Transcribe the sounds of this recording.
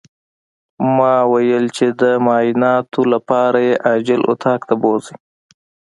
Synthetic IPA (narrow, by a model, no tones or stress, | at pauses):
mɑwajəlt͡ʃed̪əmɑːjɪnɑt̪ʰolapɑɾajeʔad͡ʒɪlʊ̰t̪ʰɑkt̪abozi